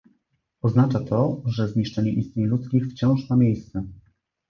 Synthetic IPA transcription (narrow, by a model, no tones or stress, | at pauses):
ɔznat͡ʂat̪ʰɔʐɛzɲiʂt͡ʂɛɲɛʔist̪ɲeɲlut̪skʲixft͡ɕɔ̃w̃ʂmamʲejst̪sɛ